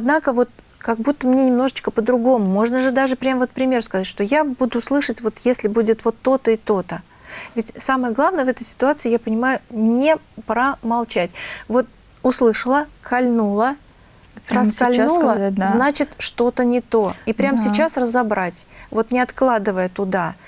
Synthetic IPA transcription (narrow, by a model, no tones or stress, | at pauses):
ɐd̪nakəvo̞t̪̚ | kɐɡ̚but̪ːəmnʲenʲɪmno̞ʐɨt͡ɕkəpəd̪ɾʊɡo̞mʊmo̞ʐnəʐɨd̪aʐɨpɾʲamvo̞t̪pɾʲɪmʲerskɐzatʲʂt̪o̞jabud̪ʊslˠɨʂətʲvo̞t̪jesʲlʲɪbudʲɪt̪vo̞t̪ːo̞t̪əit̪o̞t̪ə | vʲɪtʲsaməjəɡlˠavnəjəvɛt̪əjsʲɪ̥t̪ʊat̪sɨɪːjapənʲɪmajʊnʲɪpɾəmɐlˠt͡ɕætʲvo̞t̪ | ʊslˠɨʂəlˠəkɐlʲnulˠə | əskɐlʲnulˠəznat͡ɕɪt̪ʂt̪o̞t̪ənʲɪt̪o̞ipɾʲamsʲɪt͡ɕasrəzɐbɾʔatʲvo̞t̪nʲɪɐt̪klˠad̪ɨvəjət̪ʊd̪a